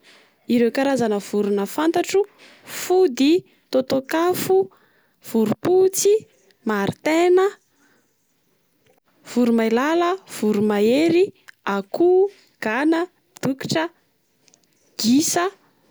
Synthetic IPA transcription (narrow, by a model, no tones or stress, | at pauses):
iɾewkaɾazanəv̥uɾunəfant̪aʈ͡ʂu | fud̪i | t̪ot̪okafu | v̥uɾuput͡si | maɾit̪enə | v̥uɾumajlaləv̥uɾumaeɾiaku | ɡ̥anə | d̪̥uki̥ʈ͡ʂə | ɡ̥isə